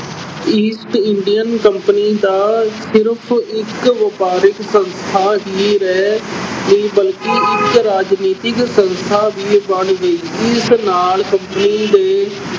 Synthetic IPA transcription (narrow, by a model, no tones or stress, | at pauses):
iːsʈɪɳɖijənkəmpəniːd̪aːsɪɾpʰɪkʋəpaːɾɪksə̃nst̪ʰaːɦiːɾɛːneːbəlkiɪkɾaːd͡ʒniːt̪ɪksə̃nst̪ʰaːbiːbəɳʋeːiɪsnaːlkə̃mpəniːd̪eː